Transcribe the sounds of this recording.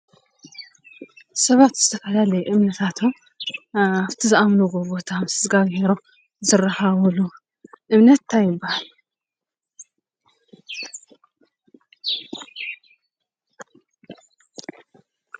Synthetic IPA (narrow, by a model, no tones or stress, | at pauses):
sɐβat̪zɨt̪ʰɐfɐlalɐjuʔɨmnɐt̪ʰat̪ʰom | aβt̪ʰizɨʔamnuɡoɡo̞t̪ʰamɨsɨzɡaɡheɾo | zɨrɐhaβlu | ʔɨmnɐt̪ːʰajɪbːahal